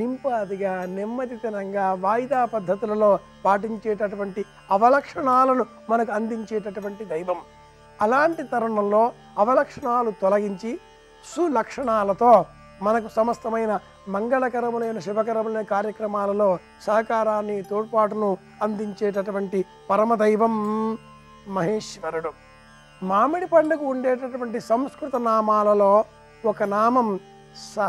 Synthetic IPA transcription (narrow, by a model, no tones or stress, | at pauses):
nimpaːd̪iɡaːnimːɐd̪it̪inɐŋɡaːʋaːjid̪aːpɐd̪ʱːɐt̪ilɐlo̞ː | paːʈ̬iɲt͡ʃɛːʈɐʈuʋɐɳʈi | ɐʋɐlɐkʂɐɳaːlɐnu | mɐnɐkuɐnd̪iɲt͡ʃɛːʈɐʈuʋɐɳʈid̪ɐjʋɐm | ɐlaːɳʈit̪ɐɾɐɳɐmlo̞ː | ɐʋɐlɐkʂɐɳaːlut̪ɔlɐɡiɲt͡ʃi | sulɐkʂɐɳaːlɐt̪o̞ː | mɐnɐkusɐmɐst̪ɐmɐjnɐ | mɐŋɡɐɭɐkɐɾɐmule̞ːnɐʃubʱɐkɐɾɐmuleːkaːɾjɐkɾɐmaːlɐlo̞ː | sɐɦɐkaːɾaːnːit̪oːɽpaːʈunu | ɐnd̪iɲt͡ʃeːʈɐʈuʋɐɳʈi | pɐɾɐmɐd̪ɐjʋɐm | ɐɦeːʂʋɐɾuɽu | maːmiɽipɐɳɖɐkuuɳɖeːʈɐʈuʋɐɳʈisɐmskɾut̪ɐnaːmaːlɐloː | wɔkɐnaːmɐm | sɐ